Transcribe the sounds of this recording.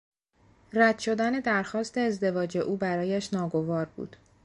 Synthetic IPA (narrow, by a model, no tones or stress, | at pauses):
ræd̪̥ʃo̞d̪æne̞d̪æɾxɒːst̪e̞ːzd̪e̞vɒːd͡ʒe̞ʔuːbæɾɒːjæʃnɒːɡo̞vɒːɾbṵːd̪̥